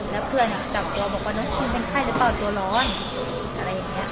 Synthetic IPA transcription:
lɛː˦˥wpʰɯ˥˩ən˨˩t͡ɕa˨˩p̚t̪u˧ɐbɔː˨˩k̚waː˧˩nɔː˧˦˥t̪ʰiː˧˩pe˧nkʰaː˥˩jle˧˩paː˧˩t̪u˧ɐlɔː˦˥n | ʔa˧ɾa˧jːa˨˩ŋːi˦˥ɐ

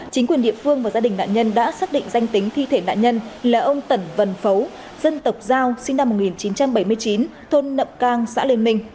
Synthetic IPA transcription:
t͡ɕï˨˦ŋkwi˨˩əɗḭ˧˨əfɨ˧əŋvaː˨˩zaː˧ɗï̟˨˩na̰ː˧˨ɲə˧nɗa̰ː˧˥saː˦˥k̚ɗḭ̈˧˨ŋ̟za˧jŋ̟t̪ï˨˦ŋ̟t̪ʰi˧t̪ʰe˧˩na̰ː˧˨ɲə˧nlaː˨˩ʔə˧wŋ͡mt̪ə˧˩nvə˧˩nfə˨˦w | z̥ə˧nt̪ə˨˩wk͡p̚zaː˧wsï˧ŋna˧mːo˨˩t̚ŋi˨˩nt͡ɕi˨˦nt͡ɕa˧mɓə˧˩jmɨ˧əjt͡ɕi˨˦nt̪ʰo˧nːə̰˧˨mkaː˧ŋsa̰ː˧˥le˧nmï˧ŋ̟

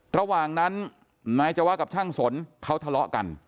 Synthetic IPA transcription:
ɾa˧waː˨˩ŋna˦˥n | naː˧˥jt͡ɕa˨˩waː˦˥ka˨˩pt͡ɕʰaː˥˩ŋso˩˦nkʰa˦˥wt̪ʰa˧lɔ˦˥ʔka̰˧n

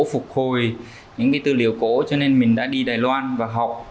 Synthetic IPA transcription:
fʊ˨˩k͡p̚ho˨˩j | ɲɨ̰˧˥ŋkaː˨˦jt̪ɨ̰˧˨li˧˩əwko̰˧˥t͡ɕɔ˧ne˧nmï˨˩ŋ̟ɗa̰ː˧˥ɗi˧ɗaː˨˩jlwaː˧nvaː˨˩ɦa˨˩wk͡p̚

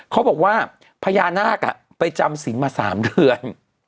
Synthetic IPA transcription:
kʰa˦˥bɔː˨˩k̚waː˥˩ | pʰa˧jaː˧nːaː˥˩k̚ʔa̰˨˩ | pa˧jt͡ɕa˧msi˩˦nmaː˧sa̰ː˩˦mdɯ˧ən

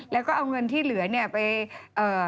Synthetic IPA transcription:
lɛː˦˥wkɔː˥˩ʔa˧wŋɤ˧nt̪ʰiː˥˩lɯ˨˩˦ɐni˥˩ɐpa˧jʔɤː˨˩

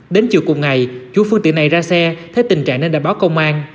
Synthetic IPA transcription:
ɗe˨˦nt͡ɕḭ˧˨əwkʊ˨˩ŋ͡m̚ŋa˨˩jt͡ɕu˨˧˦fɨ˧ŋt̪ḭ˧˨əna˨˩jzaː˧sɛ˧t̪ʰe˨˦jt̪ï˨˩ŋ̟t͡ɕa̰ː˧˨ŋne˧nɗaː˧˨jɓaː˨˦wkə˧wŋ͡mʔaː˧n

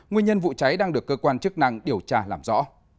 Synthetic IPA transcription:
ŋwi˧əɲə˧nvṵ˧˨t͡ɕa˨˦jɗaː˧ŋɗɨ˨˩əkːəː˧kwaː˧nt͡ɕɨ˦˥ək̚na̰˧˨ŋɗi˨˩əwt͡ɕaː˧˩laː˨˩mzɔ̰˧˥

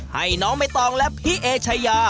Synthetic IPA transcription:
ha̰˧˥˩jnɔː˦˥ŋma˧˥˩jt̪ɔː˧ŋlɛ˦˥p̚ʰhi˦˥ʔeː˧t͡ɕʰa˧jaː˧

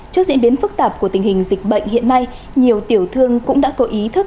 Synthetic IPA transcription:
t͡ɕɨ˦˥k̚zḭ˧˥əɓi˨˦ənfɨ˦˥k̚t̪aː˨˩p̚ku˧˩ət̪ï˨˩ŋ̟hï˨˩ŋ̟zï˨˩k̟̚ɓə̰˧˨jŋ̟hḭ˧˨ənːa˧j | ɲi˨˩əwt̪i˧˩əwt̪ʰɨ˧əŋkʊ̰˧˥ŋ͡mɗa̰ː˧˥kɔ˨˦ʔi˨˦t̪ʰɨ˦˥k̚

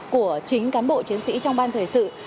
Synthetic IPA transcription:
ku˧˩ət͡ɕï˨˦ŋ̟kaː˨˦nɓo̰˧˨t͡ɕi˨˦ənsḭ˧˥t͡ɕɔ˧wŋ͡mɓaː˧nt̪ʰəː˨˩jsɨ̰˧˨

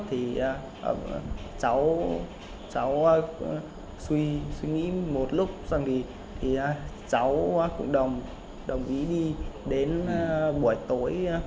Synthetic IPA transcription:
t̪ʰi˨˩˨ | t͡ɕa˨˦w | t͡ɕa˨˦w | swi˧swi˧ŋḭ˧˥mo˨˩t̚lʊ˦˥k͡p̚za˧ŋvi˨˩ | t̪ʰi˨˩˨ | t͡ɕa˨˦wkʊ̰˧˩ŋ͡mɗə˨˩wŋ͡m | ɗə˨˩wŋ͡mʔi˨˦ɗi˧ɗe˨˦n˧ɓu˧˩əjt̪o˨˦j

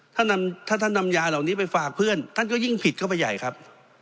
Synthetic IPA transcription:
t̪ʰa˥˩na˧mt̪ʰaː˥˩t̪ʰa˥˩nːa˧mjaː˧la˨˩wniː˦˥pa˧jfaː˨˩k̚pʰɯ˥˩ənt̪ʰa˥˩nkɔː˥˩ji˥˩ŋpʰi˨˩t̪̚kɔː˥˩pa˧jːa̰˨˩jkʰɾa˦˥p̚

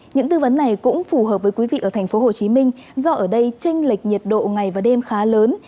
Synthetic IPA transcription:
ɲɨ̰˧˥ŋt̪ɨ˧və˨˦nːa˨˩jkʊ̰˧˥ŋ͡mfu˧˩ɦəː˨˩p̚vəː˨˦jkwi˨˦vḭ˧˨ʔəː˧˩t̪ʰa˨˩jŋ̟fo˨˦ho˨˩t͡ɕi˨˦mï˧ŋ̟ | zɔ˧ʔəː˧˩ɗə˧jt͡ɕe˧ŋ̟li˨˩k̟̚ɲi˨˩t̚ɗo̰˧˨ŋa˨˩jvaː˨˩ɗe˧mxaː˨˦ləː˨˦n

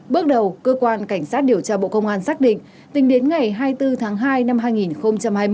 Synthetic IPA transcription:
ɓɨ˦˥k̚ɗə˨˩wkəː˧kwaː˧nka˧˩jŋ̟saː˦˥t̚ɗi˧˩əwt͡ɕaː˧ɓo̰˧˨kə˧wŋ͡mʔaː˧nsaː˦˥k̚ɗḭ̈˧˨ŋ̟ | t̪ï˨˦ŋ̟ɗe˨˦nŋa˨˩jɦaː˧jt̪ɨ˧t̪ʰaː˨˦ŋɦaː˧jna˧mɦaː˧jŋi˨˩nxə˧wŋ͡mt͡ɕa˧mhaː˧j

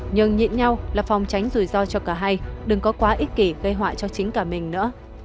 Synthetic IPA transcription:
ɲɨ˨˩ŋɲḭ˧˨nɲa˧wlaː˨˩fa˨˩wŋ͡mt͡ɕa˨˦jŋ̟zu˨˩jzɔ˧t͡ɕɔ˧kaː˧˩ɦa˧jɗɨ˨˩ŋkɔ˨˦kwaː˨˦ʔi˦˥t̚ki˧˩ɣə˧jɦwa̰ː˧˨jt͡ɕɔ˧t͡ɕï˨˦ŋ̟kaː˧˩mï˨˩ŋ̟nɨ̰˧˥ə

